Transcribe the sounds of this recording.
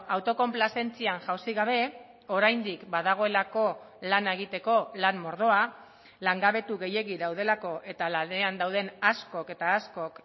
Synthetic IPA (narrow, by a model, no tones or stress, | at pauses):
awt̪o̞ko̞mplase̞nt͡sianʝawsiɣaβ̞e̞ | o̞ɾajnd̪ikbað̞aɣ̞o̞e̞lako̞ | lanaeɣ̞it̪e̞ko̞lanːo̞ɾð̞o̞a | laŋɡaβ̞e̞t̪uɣe̞je̞ɣiðawð̞e̞lako̞ʔe̞t̪alane̞and̪awð̞e̞nasko̞ke̞t̪aːsko̞k